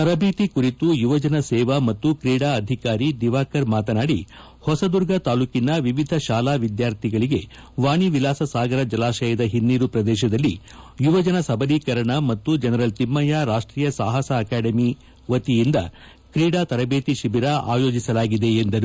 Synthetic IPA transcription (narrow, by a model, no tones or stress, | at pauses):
t̪ɐɾɐbeːt̪ikuɾit̪ujuʋɐd͡ʒɐnɐsɛːʋɐmɐt̪ːukɾiːɽaɐd̪ʱikaːɾid̪iʋaːkɐɾmaːt̪ɐnaːɽi | hɔsɐd̪uɾɡɐt̪aːlukinɐʋiʋid̪ʱɐʃaːlaːʋid̪jaːɾt̪ʰiɡɐɭiɡe̞ | ʋaːɳiʋilaːsɐsaːɡɐɾɐd͡ʒɐlaːʃɐjɐd̪ɐɦinːiːɾupɾɐd̪ɛːʃ̬ɐd̪ɐlːi | juʋɐd͡ʒɐnɐsɐbɐliːkɐɾɐɳɐmɐt̪ːud͡ʒɛnɐɾɐlt̪imːɐjaɾaːʂʈɾiːjɐsaːɦɐsɐːkaːɖɐmi | ʋɐt̪ijind̪ɐ̰ | kɾiːɽaːt̪ɐɾɐbeːt̪iʃibiɾaʔa̰ːjo̞ːd͡ʒisɐlaːɡid̪e̞ːnd̪ɐɾu